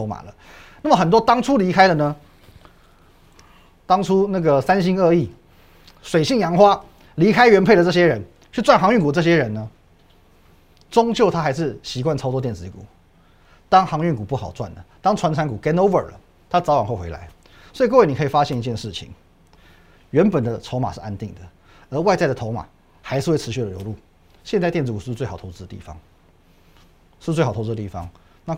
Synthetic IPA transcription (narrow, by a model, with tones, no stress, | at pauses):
o˧˥ʊma̰˨˩lə˦ | na˥˩mə˩xə˨˩nt̪wɔ˥t̪ɑ˥ŋʈ͡ʂʰu˥li˧˥kʰa˥ɪlə˨nə˧ | t̪ɑ˥ŋʈ͡ʂʰu˥na˥˩ɡə˩sa˥nɕi˥ŋə˥˧i˥˩ | swe˨˩ɪɕi˥˩ŋjɑ˧˥ŋxwa˥ | li˧˥kʰa˥ɪɥɛ˧˥npʰe˥ɪd̪ə˩ʈ͡ʂɤ˥˩ɕjɛ˦˥ɻə˧˥n | t͡ɕʰy˥˧t͡swa˥˩nxɑ˧˥ŋy˥˩nku˨˩ʈ͡ʂɤ˥˩ɕjɛ˥ɻə˧˥nnə˧ | t͡sʊ˥ŋt͡ɕjo˥˩ʊt̪ʰa˥xa˧˥ɪʂɻ̩˥˩ɕi˧˥kwa˥˩nt͡sʰɑ˥ʊtɔ˧˥t̪jɛ˥˩nt͡sɹ̩˧˥i˧kṵ˨˩˦ | t̪ɑ˥ŋxɑ˧˥ŋy˥˩nku˨˩pu˥˩xɑ˨˩ʊt͡swa̰˥˩nd̪ə̰˩t̪ɑ˥ŋʰwa˧˥nt͡sʰa˧˥nku˨˩kɛ˥no˥ʊvə̰˨˩lə̰˦ | t̪ʰa˥t͡sɑ˧˥ʊwa˨˩nxo˥˩ʊxe˧˥ɪla̰˧˥ɪ | swɔ˧˥i˨k̬we˥˩ni˨˩˧i˨˩fa˦˥ɕjɛ˥˩ni˧t͡ɕjɛ˥˧nʂɻ̩˥˩t͡ɕʰḭ˨˩˦ŋ | ɥɛ˧˥npə˨˩nd̪ə˦t͡sʰo˧˥ʊma̰˨˩ʂɻ̩˥˩ʔa˧˥nt̪i˥˩ŋd̪ə˩ | ə˧˥wa˥˧ɪt͡sa˥˩ɪd̪ə˩t̪ʰo˧˥ʊma̰˨˩ | xa˧˥ɪʂɻ̩˥˧wʰɻ̩˧˥ɕy˥˩d̪ə˩ljo˧˥ʊlu˥˩ | ɕjɛ˥˧nt͡sa˥ɪt̪jnt͡sɻ̩˧˥ku˨˩ʂ̩˥˧t͡swe˥˩ɪxt̪ʰʊt͡s̩˧˥də˨˧ḭ˥˩fɑ̰˦ŋ | ʂɻ̩˥˧we˥˩xʰʊt͡s̩̪ː˧˥˧i˥˩ɑ̰˦ŋ | na˥˨